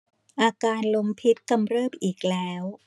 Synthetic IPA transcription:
ʔaː˧kaː˧nlo˧mpʰi˦˥t̪̚ka˧mɾɤː˥˩mʔiː˨˩k̚lɛː˦˥w

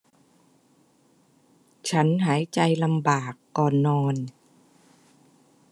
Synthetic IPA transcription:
t͡ɕʰa˦˥nɦaː˩˦jt͡ɕa˧jla˧mbaː˨˩kːɔː˨˩nːɔː˧n

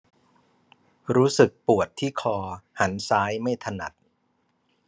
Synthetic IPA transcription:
ɾuː˦˥sɯ˨˩k̚pu˨˩ət̪ʰːiː˥˩kʰɔː˧ha˩˦nsaː˦˥jma˥˩jt̪ʰa˧na̰˨˩t̪̚

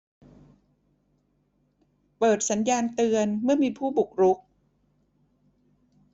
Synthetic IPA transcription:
pɤː˨˩t̪̚sa˩˦njaː˧nt̪ɯ˧ənmɯ˥˩ɐmiː˧pʰuː˥˩bu˨˩k̚ɾu˦˥k̚

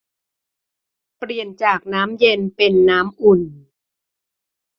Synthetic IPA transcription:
pɾi˨˩ənt͡ɕaː˨˩k̚naː˦˥mje˧npe˧nːaː˦˥mʔu˨˩n

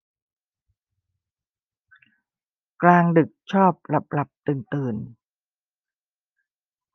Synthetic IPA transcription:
klaː˧ŋdɯ˨˩k̚t͡ɕʰɔː˥˩p̚la˨˩p̚la˨˩p̚t̪ɯː˨˩nt̪ɯː˧˩n

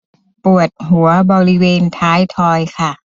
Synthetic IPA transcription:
pu˨˩ət̪̚ɦu˩˦ɐbɔː˧ɾi˦˥weː˧nt̪ʰaː˦˥jt̪ʰɔː˧jkʰa˥˩

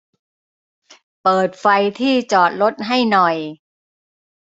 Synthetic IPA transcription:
pɤː˨˩t̪̚fa˧jt̪ʰiː˥˩t͡ɕɔː˨˩t̪̚ɾo˦˥t̪̚ɦa˥˩jnɔ˨˩j

